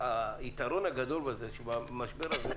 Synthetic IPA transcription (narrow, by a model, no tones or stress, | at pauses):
ait̪aɾonaɡad̪o̞lbezeʃebamaʃbeɾaze